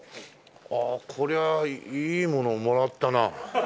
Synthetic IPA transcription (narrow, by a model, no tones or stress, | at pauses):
aːkʰo̞ɾe̞aiːmõ̞nomoɾat̪ːana